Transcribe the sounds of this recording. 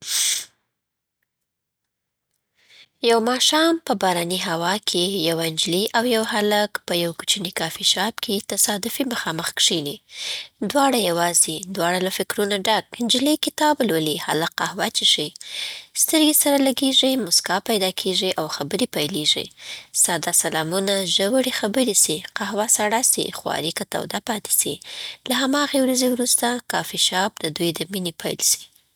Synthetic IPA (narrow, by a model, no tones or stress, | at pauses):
jawmɑʃɑmpəbɑɾaniɦawɑkʰejawaɪnd͡ʒliʔawjawhalakpəjawku̥t͡ʃənikɑfiʃɑbkʰet̪asɑd̪ʊfiməxɑməxkʂinid̪wɑɽajawɑzid̪wɑɽalafɪkɾunaɖaɡnd͡ʒɪlikɪt̪ɑblwəliha̰laqahwat͡ʃeʂi | st̪əɾɡesaɾalaɡeʐimʊskɑpajd̪ɑkʰeʐiʔawxabəɾepajleʐḭsɑd̪ɑsalɑmunaʒəwəɽixabəɾisiqahwasaɽasḭxwɑ̰ɾikat̪a̰wd̪apɑt̪e̥sḭlaɦamɑɣewɾazewɾust̪akɑfiʃɑb̚d̪əd̪ujd̪əminepʰa̰jlsi̥